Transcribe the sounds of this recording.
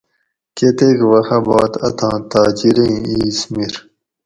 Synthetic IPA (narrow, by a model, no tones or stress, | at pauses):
ket̪ekwɐxɐbɑːt̪ɐ̰t̪ʰɑ̃ːt̪aːd͡ʑiɾẽiːsmiɾ